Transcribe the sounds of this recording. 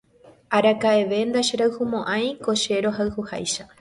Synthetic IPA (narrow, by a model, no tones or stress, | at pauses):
aɾakaeʋe̞nd̪aʃeɾawhumõʔãj̃ko̞ʃe̞ɾo̞ɦawhuha̰jʃa